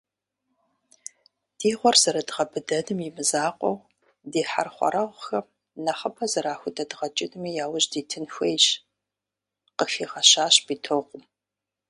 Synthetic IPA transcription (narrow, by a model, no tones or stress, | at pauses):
d̥iːʁʷɔrz̥ɐɾɐdʁɐbɨdɐnɨmjɪmɨzaːqʷʼɔw | deːħa̰rχʷɔ̰ɾɐʁʷxɐ | nɐχɐpʰɐzɐɾaːxʷʊtʼɐdʁɐt͡ʃʼɪnɨmiːjaːwʊʑdiːtʰɨnxʷejɕ | qəfiːʁɐɕaːɕb̥iːtʰoʁʷʊm